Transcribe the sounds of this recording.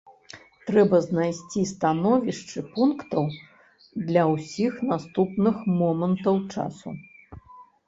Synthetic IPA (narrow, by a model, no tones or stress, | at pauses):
t̪ɾɛbɐznajsʲt͡sʲist̪anɔvʲiʂt͡ʂɨpunkt̪ɐw | d̪lʲɐwsʲixnast̪upnɨxmɔmɐnt̪ɐwt͡ʂa̰sṵ